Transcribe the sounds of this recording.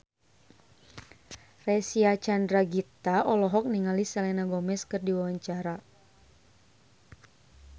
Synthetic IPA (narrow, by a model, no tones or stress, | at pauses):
rɛsiat͡ʃandɾaɡit̪aɔlɔɦɔk̚niŋalisɛalɛnaɡɔmɛskɨrdiwawaɲt͡ʃaɾa